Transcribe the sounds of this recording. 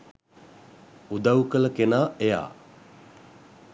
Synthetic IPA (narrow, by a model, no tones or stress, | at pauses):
ud̪awkələkenaːeja̰ː